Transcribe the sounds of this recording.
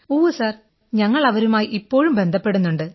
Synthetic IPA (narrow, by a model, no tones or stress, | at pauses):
oːʋɐsaːr | ɲɐŋːɐɭɐʋɐɾumaːjiʔipːo̞ːɻumbe̞nd̪ʱɐpːe̞ɽunːuɳɖɨ